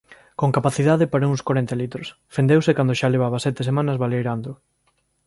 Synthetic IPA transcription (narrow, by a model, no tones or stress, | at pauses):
koŋkapaθiðaðepaɾɐuŋskaɾɛnt̪alit̪ɾʊs | fend̪ewsɪkand̪oʃaleβ̞aβɐsɛt̪esemãnɐzβalejɾand̪ʊ